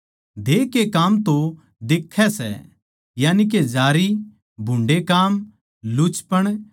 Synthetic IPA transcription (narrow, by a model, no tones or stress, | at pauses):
d̪ʱeːkekaːmt̪õ | d̪eːkʰːɛsɛ̰ | jaːnik̬ed͡ʒaːɾi | bʱʊ̃ɳɖekaːm | lʊt͡ʃpəɽ̃